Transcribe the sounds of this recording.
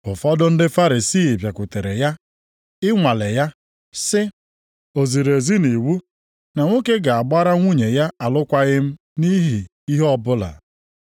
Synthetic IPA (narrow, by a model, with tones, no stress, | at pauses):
ʊ˨fɔ˦dʊ˦n̩˦dɪ˦fa˦ɾi˨siː˦˨pja˨kʷʊ˨te˨ɾe˨ja˦ | ɪ˦ŋʷa˨le˨ja˦ | sɪ˦ | o˨zi˨ɾe˨zi˦ni˨wu˦ | na˨ŋʷo˦ke˦ɡa˨a˨ɡ͡ba˦ɾa˦ŋʷu˦ɲe˨ja˦a˨lʊ˦kʷa˦ɣɪ˦m̩˦ | ni˦ɦi˨ | i˦ɦɔ˦bʊ˦la̰˨